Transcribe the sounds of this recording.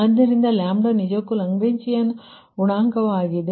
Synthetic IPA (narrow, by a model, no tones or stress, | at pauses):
ɐd̪nɐɾind̪ɐlaːmɖonid͡ʒɐkːulɐŋɡbeɲt͡ʃijɐnːu | uɳaːŋkɐʋaːɡid̪e